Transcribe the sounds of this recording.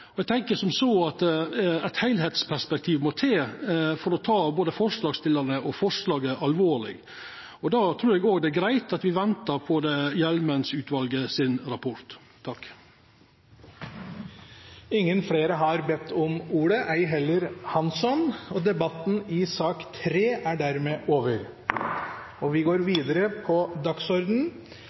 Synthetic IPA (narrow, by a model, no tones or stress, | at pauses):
ɔɛɡ̚t̪ʰɛŋkəsɔmsoːɑt̪æɪt̪hæɪlheːt̪spʰæʂpɛkt̪ʰiːʋmɔt̪ʰeːfɔɾɔt̪ʰɑːboːd̪əfɔʂlɑːɡst̪ɪləɾnəʔɔfɔʂlɑːɡəʔɑlʋoːɭɪ̰ɡ | ɔd̪ɑt̪ʰɾʉːɾɛɡoːɡd̪ɛæɡɾæɪt̪ɑt̪ʋɪʋɛnt̪əɾpʰɔd̪ɛjɛlmənsʉːt̪ʰʋɑlɡəsɪnɾɑpʰɔɾt̪ʰː | ɑk | ɪŋːənfɽeːɾəɦɑɾbɛt̪ʰːɔmuːɽəʔæɪɦɛlːəɾhɑnsɔnɔd̪ɛbɑt̪ːn̩ɪsɑːkt̪ʰɾeːʔæɖæɾmeːʔoːʋəɾ | ɔʋɪɡoːɾʋiːd̪əɾəpʰɔd̪ɑksɔɾd̪n̩